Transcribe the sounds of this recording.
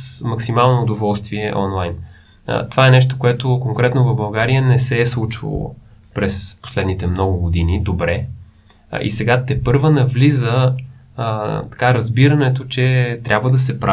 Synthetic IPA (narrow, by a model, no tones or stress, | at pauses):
smɐksimalˠnoːd̪ovɔlˠst̪viɛʔɔnlˠajn̰ | t̪ovaɛnɛʃ̬t̪okoɛt̪okoŋkɾɛt̪novɐbɐlˠɡaɾijənɛsɛslˠut͡ʃvə̰lˠo̰ | pɾɛspo̥slɛd̪nit̪ɛmnɔɡʊɡod̪inid̪obɾɛ | ʔḭsɛɡat̪ɛpɤɾvənɐvlizə | t̪ɐ̥kaɾɐzbiɾənɛt̪ot͡ʃɛt̪ɾʲabvəd̪ɐsɛpɾa